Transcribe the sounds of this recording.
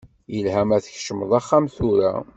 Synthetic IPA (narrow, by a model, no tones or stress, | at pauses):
jəlɦæmæθəçʃəməðˤɑχːamθuɾæ̰